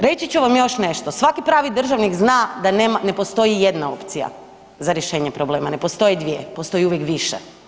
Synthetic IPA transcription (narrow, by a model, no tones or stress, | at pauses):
ɾe̞t͡ɕit͡ɕuʋamjo̞ʃne̞ʃt̪osʋakipɾaːʋid̪r̩ʒaʋnikznad̪anemane̞po̞st̪o̞ijed̪nao̞̰pt̪sija̰ | zaɾjeʃe̞ːɲepɾoble̞ːmane̞po̞st̪o̞jid̪ʋiepost̪o̞jiuʋjekʋiʃḛ